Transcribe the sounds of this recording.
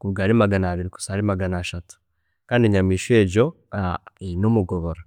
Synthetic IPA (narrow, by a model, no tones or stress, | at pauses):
kuβɡaːɾimaɡanaːβiɾiku̥saːɾimaɡanaːʃatu̥ | kaːndiɲamiːʃe̞ːɟo̞ | ainomuɡoβoɾa